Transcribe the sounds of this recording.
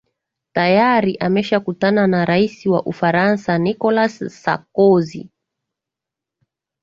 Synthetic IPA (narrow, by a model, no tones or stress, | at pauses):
tajaɾiʔamɛʃakutananaɾaisiwa̰ʔufaɾansanikɔlasːa̰kɔzḭ